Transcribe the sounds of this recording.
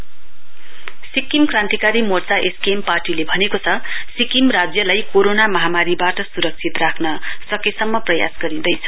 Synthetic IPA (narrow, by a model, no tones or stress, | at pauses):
sikimkrant̪ikaɾimort͡saʔeskemparʈilebʱʌnekot͡sʰʌsikimrad͡zjʌlajkoɾonamʌɦamaɾibaʈʌsuɾʌk̚t͡sʰit̪rakʰnʌsʌkesʌmːʌprʌja̰sɡʌɾĩd̪ʌjt͡sʰʌ̥